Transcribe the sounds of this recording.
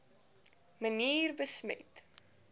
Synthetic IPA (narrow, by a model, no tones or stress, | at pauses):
məniːrbəsmə̰t